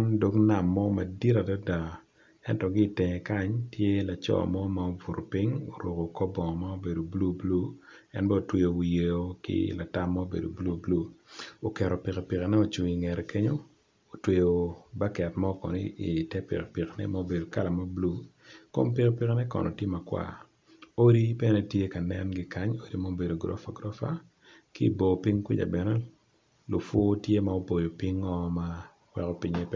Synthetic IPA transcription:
ndo˦kna˨mːɔ˦mɐ˨di˦ta˨da˦da˨ | ɛ˦ntɔ˨ɡi˦te˨ŋɛ˨ka˦ɲtʰje˦la˨t͡ʃɔ̰˨mɔ˦ma˨o˦vu˨ɾo˨pi˦ŋo˨ɾo˨ko˨kɔ˦bɔ˨ŋɔ˨ma˦o˦be˨do˨blu˦blu˦ɛ̰˦nbɔ˦o˨twe˦jo˨je˨o˦kɪ̰˦la˨ta˦mːa˦o˦bḛ˨do̰˨blu˦˨blu˦o˨kɛ˨ɾo˨pi˨ke˨pi˨ke˨nɛ˦o˨t͡ʃu˨ŋi˨ŋɛ˨ɾe˨ke˦ɲo˦ | o˨twe˨jo˨ba˦kɛ˨tma˦o˨kɔ̰˨ni˦i˨tɛ˦pḭ˨kpi˨knɛ̰˦ma˦o˦be˨do˨ka˦la˨ma˦blu˦ | ko̰˦mpi˦kpi˨knɛ˦kɔ̰˨nɔ˨tje˦ma˨kwa̰˨ | o˦ɾi˦pɛ˦ɛ˦nɛ˦tje˦ka˨nɛ˦nɡɪ˦ka˦ɲo˦di˦ma˦o˨be˨do˨ɡɾɔ̰˦fa̰˨ɡɾɔ˦fa̰˦ | ki˦i˨bo˨pi˦ŋki˦d͡ʒa̰˨bɛ˨nɛ˦ | lʊ˨fo˦tje˦ma˨o˦po˨jo˨pi˦ŋːɔ˦ma | wɛ˨kɔ˦pi˦ɲe˦p

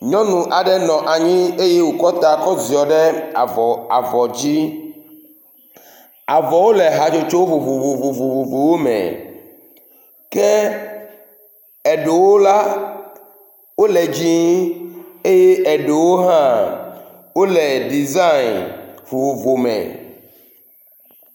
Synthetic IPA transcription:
ɲɔ̃˦nũ˨ʔa˨ɖɛ˦nɔ̃˨ʔa˨ɲĩ˦e˦je˦wo˨kɔ˦t̪a˨kɔ˦zi˨ɔ˨ɖɛ˦a˨vɔ˨a̰˨vɔ˨d͡ʑi˦ | a˨vɔ˨wo˦lɛ˨ɦa˨d͡ʒo˦t͡ʃo˦wo˦vo˨vo˨vo˨vo˨vo˨vo˨vo˨wo˦mɛ̰̃˨ | kɛ˦ | ɛ˨ɖe˨wo˦la˦ | wo˦lɛ˨d͡ʒi˦ | e˦je˦ʔɛ˨ɖe˨wo˦ɦã˦ | wo˦lɛ˨ɖi˨za˦i˨nvo˨vo˨vo˨mɛ̰̃˨

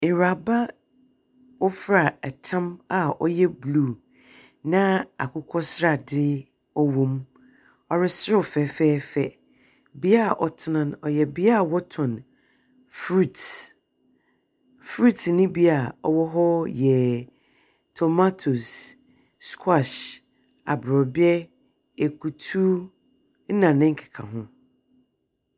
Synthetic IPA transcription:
ɪ˨ɾa˨ba˦ | wʊ˦fɾa˨ɛ˨tʰã˦ma˨ʔɔ̰˦jɛ˦bluː˦˨ | nã˦a̰˨kʰʊ˦kʷʰɔ˦sɾa˨dɪ˦ | ɔ˦wõ˨˦m | ɔ˨ɾɪ˦sfɛː˨fɛː˦fɛ˦˨ | bi˦a˦˨ʔɔ˨tʰɪ˨nã˦nɔ˨jɛ˨bi˦a˦˨wɔ˦tʰʊ̃˨n | fɾu˨t | fɾu˦tnɪ̃˦bi˦a˨ɔ˨wɔ˦ɦɔ˦jɛ˨ | tʰɔ˨ma˦tʰu˨sː | kʰwa˨ʃ | a̰˨bɾɔ˨bɪ˦ɛ˦ | e˨kʰu˨tʰu˦ | n̩˦nã˨nɪ̃˦ŋ̩˦kʰɪ̥˨kʰã̰˨ɦʊ̃˦

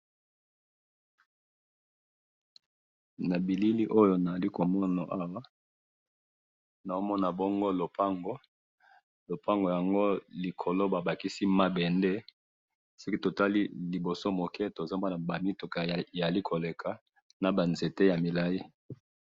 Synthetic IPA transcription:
na˨bi˨li˦li˦ʔo˦jo˦na˨a˨li˦ko˨mɔ˦na˨ʔa˦wa˦ | na˨o˦mɔ˦na˨bo˦ŋɡo˦lo˨pa˦ŋɡo˦ | lo˨pa˦ŋɡo˨ja˨ŋɡo˦li˨kʰo˨lo˦ba˨ba˨ki˦si˦ma˦bɛ˨nde˦ | si˦ki˦to˨ta˦lḭ˦li˨bo˨so˦mo˨kɛ˦to˨za˦mba˦na˨ba˨mi˦tu˨ka˨a˨li˦kʰo˨le˨kʰa˨ | na˨ba˨nze˨te˦ja˨mi˨la˨ji˦

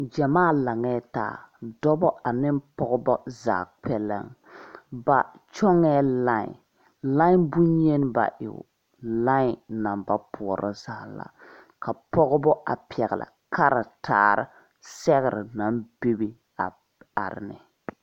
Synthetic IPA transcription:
d͡ʒa˨maː˦˨la˨ŋɛ˦ta̰ː˨dɔ˦bɔ˦a˨nɪ˦mpɔ˦ɣɔ˦bɔ˦za̰ː˨k͡pɛ˦lɛ̰˦ŋ | ba˨ | t͡ʃɔ˦ŋɛ˦la˦ɲ̰˨ | la˦bu˦ɲe˦n˦ba̰˨ʔɪ̰˨ | la˦ɲ˨na˨mba˦pʰʊ˨ɔ˨ɾɔ̰˦za˨la̰˨ | ka˨pɔ˦ɣɔ˦bɔ˦ʔa̰˨pi˨ɛ˨ɣɪ˨la̰˨kʰa˦ɾɪ˨tʰaː˨ɾɪ̰˦ | sɛ˦ɣɪ˨ɾɨ̰˨na˦mbe˦bi˦ | a˨ | a̰˨ɾɪ̰˨nɨ̰˨

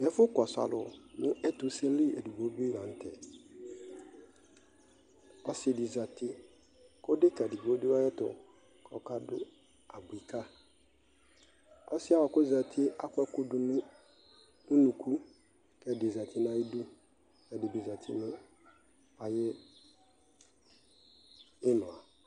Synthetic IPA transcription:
ɛ˨˦fʊ˦kɔ˨sa̰˨lʊ˨nʊ̃˦ʔɛ˦tʊ˨˦se˦n̩˦li˦e˨du˨bo˨˦bi˦lã˨n̩˨tʰɛ̰˨ | ɔ˨sɪ˨dɪ˨za˨tɪ˦ | kʊ˦dɪ˦ka˨di˨bo˦di˦wa˦jɛ˦tʊ̰˨ | kɔ˨ka˦dʊ̰˦ | a˨bi˨kʰa˦ | ɔ˦sɪ˦a˦wa˨kʊ˦za˨tʰɪ˦a˦kʷɛ˦kʊ˦dʊ˨nʊ˦ | nʊ˦nũ˨kʰu˦ | kɛ˨dɪ˨za˨tʰɪ˦nã˨i˦du˦ | kɛ˨dɪ˨bi˨za˨tʰɪ˦nʊ̃˦ | a˨jɪ˦ | ɪ˦nʊ̃˨a˨

